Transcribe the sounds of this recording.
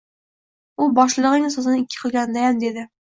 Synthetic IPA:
ulˠbɒʃlˠɤ̆ʁɤ̆nɤsŏznikʲːɘ̥qɤ̆lˠɡʲænd̪æjæmd̪ed̪ɘ

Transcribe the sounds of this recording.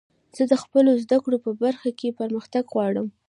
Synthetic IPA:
z̥əd̪əxpəlozd̪akɽopəbaɾxakepəɾməxt̪aɡɣwɑɽəm

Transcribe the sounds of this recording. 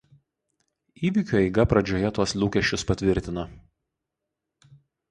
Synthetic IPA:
iːʋʲiːˑkʲoːɛɪɡɐpɾɐd͡ʒʲoːjɛt̪uɔslʲuːkʲɛʃʲt͡ʃʲʊspɐt̪ʲʋʲɪɾʲt̪ʲɪnɐ

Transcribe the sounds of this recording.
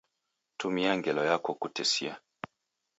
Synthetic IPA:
tumiaŋɡɛlɔjakɔkutɛsia

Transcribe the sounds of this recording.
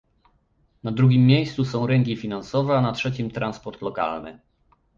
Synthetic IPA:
nad̪ɾuɡʲimːjejst̪susɔ̃w̃ɾɛŋkʲifʲinansɔvɛanatʂɛt͡ɕimt̪ɾʔanspɔɾt̪lɔka̰lnɛ̰

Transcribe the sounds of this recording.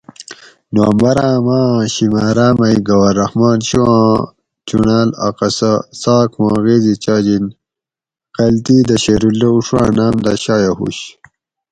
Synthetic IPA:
nowɐmbɐɾãːmãːɕimaːɾaːmɐiɡɐwɐɾːɐhmaːnɕuwãː | t͡ɕunaːlɐ̰qɐsɐsaːkʰmãːɣeːzit͡ɕaːd͡ʑin | qɐlt̪iːd̪ɐɕeɾulːeuʂwã̰ːnaːmd̪ɐɕaːjɐhṵɕ

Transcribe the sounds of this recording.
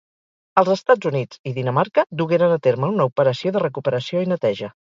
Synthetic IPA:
əlˠzəst̪ad͡zunid͡ziðinəmaɾkəd̪uɣeɾənət̪eɾməunəupəɾəsioðərək̬upəɾəsioinət̪ɛʒə

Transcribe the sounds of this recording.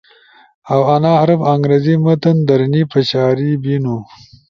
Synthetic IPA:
awanɑːhɾəfaŋɡɾezimɐt̪ənd̪ɐɾnipəɕɑːɾibinu

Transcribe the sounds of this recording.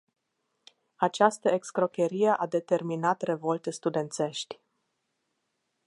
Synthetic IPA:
at͡ʃast̪əekskɾo̞kʲeɾijeʔad̪e̞t̪e̞rminat̪re̞vo̞lt̪e̞st̪ud̪e̞nt̪se̞ʃt̪ʲ

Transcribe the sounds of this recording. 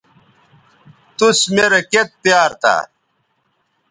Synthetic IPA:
t̪usmeɾeket̪̚pjaːɾt̪a̰ː

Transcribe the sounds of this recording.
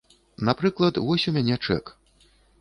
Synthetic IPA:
napɾɨklˠɐt̪vɔsʲumʲanʲɛt͡ʂɛ̰k

